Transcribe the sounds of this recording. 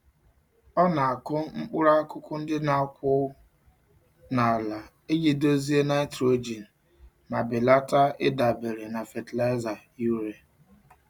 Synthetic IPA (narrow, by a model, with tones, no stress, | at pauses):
ɔ˦na˨a˨kʊ˦ŋ͡m̩˦k͡pʊ˦ɾa˦kʊ˦kʊ˦n̩˦dɪ˦na˨˦kʷʊ˦ | na˨a˨la˨ | e˦ɡi˦do˦zi˦e˦na˦tɾo˦d͡ʒi˨n̩˨ | ma˨bɪ˨la˦ta˦ɪ˦da˨be˨ɾe˨na˨fe˨tla˦za˨ | u˦ɾe˨